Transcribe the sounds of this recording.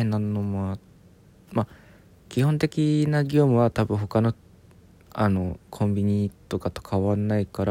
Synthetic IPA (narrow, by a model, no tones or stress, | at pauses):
ẽnːanomoa | ma | kʲihõ̞nt̪e̞kʲinaɡʲo̞ːmɯ̟βat̪abɯ̟̃ɦo̞kano̞ | ano̞kʰõ̞mbʲiɲ̟it̪o̞kat̪o̞̥kʰaβanːaikaɾa